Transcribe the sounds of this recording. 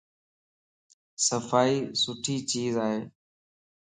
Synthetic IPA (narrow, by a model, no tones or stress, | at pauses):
səfaːiːsʊʈʰiːt͡ʃiːzaːɦeː